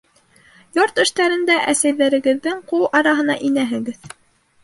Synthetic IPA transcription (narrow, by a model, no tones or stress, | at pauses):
joɾt̪ɘ̆ʃt̪æɾɘ̆nd̪æʔæsæjðæɾɘ̆ɡɘ̆ðːɘŋquwˠɑɾɑɦɤ̆n̪ɑʔinæɦɘ̆ɡɘð